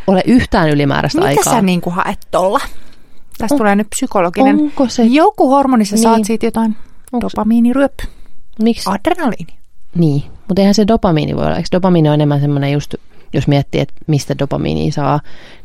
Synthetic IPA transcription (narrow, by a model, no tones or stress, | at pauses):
oleʔyht̪æːnylimæ̰ːɾʔæ̰stmmiɑ̰ikæsɑ̰æniːŋkuhɑ̰ʔet̪ːolːɑ | t̪æsttuleːnyt̪̚psykoloɡ̥inenkosejokːuhormonisɑsnsɑːsiːt̪jot̪ɑind̥opɑmiːniryøpːmiksɑd̥renɑliːniniːmut̪eihænsedopɑmiːnḭʋo̰jo̰ːɑ̰ḛksdopɑmiːnioenemːænsemːonejust̪ | josmiɛt̪ːḭːḛt̪mist̪ædopɑmḭːnḭːsɑː